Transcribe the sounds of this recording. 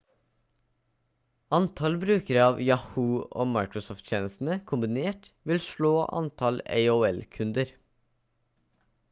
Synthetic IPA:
ɑnt̪ʰɑlbɾʉːkəɾəɑːʋjɑhuːo̰ːmɑɪkɹʊsɔft̪çʰjeːnəst̪n̩əkʰʊmbɪneːʈʋɪlʃɭoːʔɑ̰nt̪ʰɑlḛɪoɛlkʰʉnd̪əɾ

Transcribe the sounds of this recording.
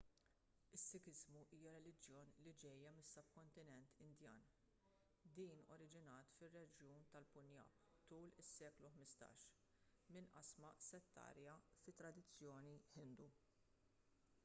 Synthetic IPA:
ɪsːɪkɪzmuʔiːjɐɾɛlɪd͡ʒjɔːnlid͡ʒɛjːɐmɪsːɐp̚kɔnt̪ɪnɛnt̪ɪnd̪jɐ̰ːn | d̪iːnɔ̰ɾɪd͡ʒɪnɐːt̪fɪrːɛd͡ʒjuːnt̪ɐlpʊnjɐ̰ːpt̪uːlɪsːɛːkluħmɪst̪ɐ̰ːʃ | mɪnʔɐ̰smɐsɛt̪ːɐ̰ːɾjɐfɪt̪ːɾɐd̪ɪt͡sːjɔːniħɪnd̪u

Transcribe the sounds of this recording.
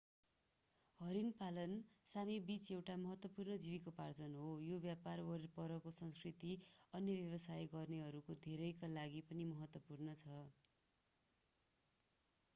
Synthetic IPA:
ɦʌɾinpalʌnsamibit͡sewʈamʌɦʌt̪wʌpurnʌd͡ziβikopard͡zʌnɦojobjaparwʌɾipʌɾʌkosʌŋskrit̪iʌnjʌbjʌβʌsajɡʌrneɦʌɾukod̪ʱeɾʌjkalaɡipʌnimʌɦʌt̪wʌpurnʌt͡sʰʌ

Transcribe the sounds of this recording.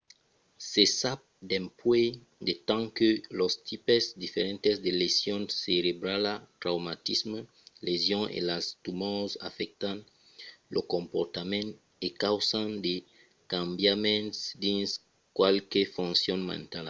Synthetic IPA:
sesap̚d̪ɛ̃mpwe | d̪et̪ãŋkølost̪ʰipezd̪ifeɾɛ̃nt̪esd̪elesjɔ̃nseɾebɾalat̪ɾawmat̪ism | lezjɔ̃ŋḛlast̪umɔsa̰fɛk̚t̪ãn | lʔokõmpɔɾt̪amɛ̃nt | ekawsãnd̪e | kãmbjamɛ̃ntsd̪ĩns | kwalkefõnsjɔ̃nmɛ̰̃nt̪al

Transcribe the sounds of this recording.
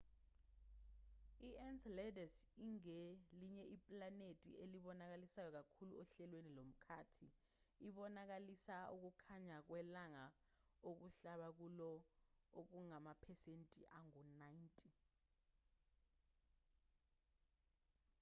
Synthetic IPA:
iɛnslɛdɛsiŋeliɲɛʔipʼlanetʼḭeliɓɔnak̬alisajɔk̬akʰuluɔɬɛlwenilom̩kʰaːtʰi | iɓɔnak̬alisaṵk̬ukʰaɲak̬wɛlaŋa | ok̬uɬaɓak̬ulɔok̬uŋamapʰɛsentʼiʔaŋɔnajintʼi

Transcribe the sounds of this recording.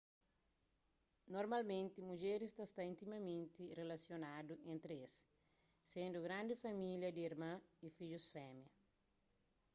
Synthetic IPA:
noɾmalmẽnt̪ɪmuʒeɾist̪ɐst̪aĩnt̪imɐmẽnt̪irelɐsjonad̪uʔẽnt̪ɾesː | ẽnd̪uɡɾãnd̪ɪfɐmiljɐd̪iiɾmãifiʎusfɛmjɐ

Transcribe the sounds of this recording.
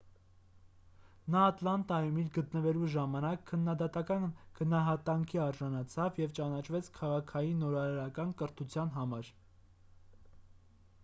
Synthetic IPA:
nɑːt̪lɑnt̪ɑjumilɡət̪nəvɛluʒɑmɑnɑkʰːənːɑd̪ɑt̪ɑkɑnɡ̥ənɑɦɑt̪ɑŋkʰiɑɾʒɑnɑt͡sʰɑvjɛvt͡ʃɑnɑt͡ʃʰvɛt͡sʰkʰɑʁɑkʰɑjinːɔɾɑɾɑɾɑkɑnkəɾt̪ʰut͡sʰjɑnɦɑmɑɾ

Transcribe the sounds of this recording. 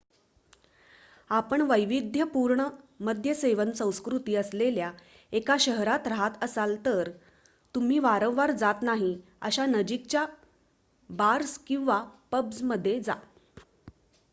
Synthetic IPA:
apəɳʋəjʋid̪ʱjəpuɾɳəməd̪ʱjəseʋənsə̃w̃skɾut̪iːəslelja | ekaɕəɦɾat̪ɾaɦat̪əsalt̪əɾ | t̪um̤iːʋaɾə̃w̃ʋaɾd͡zat̪naɦi | ə̰ɕanəd͡ʑik̚t͡ɕja | baɾskĩw̃ʋapəbd͡zməd̪ʱːjed͡za̰

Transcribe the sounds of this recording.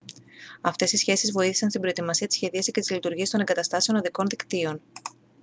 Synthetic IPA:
ɐft̪e̞sisçe̞sizvo̞iθi̥sɐnst̪ibɾo̞et̪imɐsiɐt̪isçe̞ðiɐsicet̪izlit̪uɾʝiɐst̪o̞neŋɡɐt̪ɐst̪ɐse̞o̞nɐðiko̞nðikt̪io̞n

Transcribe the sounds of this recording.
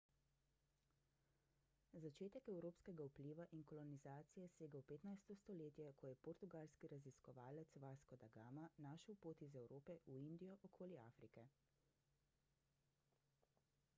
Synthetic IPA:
zat͡ʃeːt̪ɛkɛwɾoːpskɛɡaupliːʋaʔinkɔlɔnizaːt̪sijɛseːɡawpeːt̪najst̪ɔst̪ɔleːt̪jɛkʰɔjɛpɔɾt̪uɡaːlskiɾaziskɔʋaːlɛt̪sʋaːskɔd̪aɡaːmanaːʃɛwpoːt̪izɛwɾoːpɛʔuind̪ijɔʔɔkʰoːliaːfɾikɛ

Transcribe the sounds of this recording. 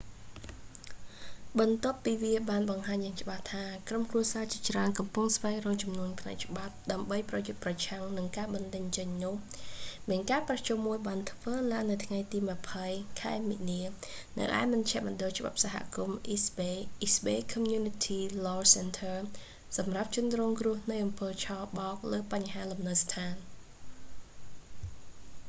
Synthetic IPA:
ɓɑnt̪ŏəpːiːʋiəɓaːnɓɑŋɦaːɲjaːŋt͡ɕə̆ɓaht̪ʰaːkromkruəsaːt͡ɕiət͡ɕraənkɑmpuŋsʋaɛŋrɔːŋt͡ɕumnuənpʰnaɛk̚t͡ɕə̆ɓap̚ɗaəmɓəjprɑjot̪̚prɑt͡ɕʰaŋnɨŋkaːɓɑnɗəɲt͡ɕəɲnʊ̆əhmiənkaːprɑht͡ɕumːuəjɓaːnt̪ʰʋəːlaəŋnːɨwt̪ʰŋajt̪iːmɨ̆əpʰəjkʰaɛminiənɨ̰wʔa̰ɛmɑɲt͡ɕʰɛ̆əʔmɔ̆ɗolt͡ɕə̆ɓa̰p̚saɦa̰ʔkumʔisɓeːʔisɓeːkʰɔmjuːnit̪ʰiːlɔːsɛnt̪ʰər | sɑmrap̚t͡ɕʊənrɔːŋkrʊəhnɨjʔɑmpəːt͡ɕʰɑːɓɑːk̚ləːpaɲɦaːlumnəst̪ʰaːn

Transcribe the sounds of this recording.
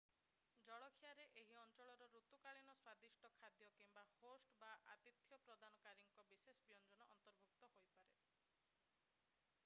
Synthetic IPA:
d͡ʒɔɭɔkʰijaɾeʔeɦiɔnt͡ʃɔɭɔɾɔɾut̪ukaɭinɔswad̪isʈɔkʰad̪jɔkimbahosʈbaʔat̪it̪ʰjɔpɾɔd̪anɔkaɾiŋkɔbisesɔbijɔnd͡ʒɔnɔʔɔnt̪ɔɾbʱukt̪ɔɦojpaɾe

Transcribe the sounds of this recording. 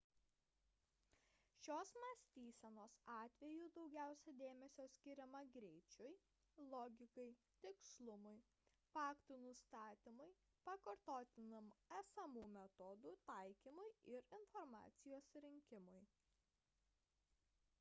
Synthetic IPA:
ʃʲoːsmɐsʲt̪ʲiːsʲɛnoːsɑːt̪ʲʋʲɛjuːd̪ɒʊɡʲæˑʊsʲɛd̪ʲeːmʲɛsʲoːsʲkʲɪɾʲɛmɐɡɾʲɛɪt͡ʃʲʊj | lˠɔɡʲɪkɐɪ | t̪ʲɪkslˠʊmʊɪ | fɑːkt̪unʊst̪ɑːt̪ʲɪmʊɪ | pɐkɐɾt̪oːt̪ʲɪnɐmæːsɐmuːmʲɛt̪ɔd̪uːt̪ɐɪkʲiːmʊɪɪɾɪnfɔɾmɑ̰ːt̪sʲɪjoːsɾʲɪŋʲkʲɪmʊj

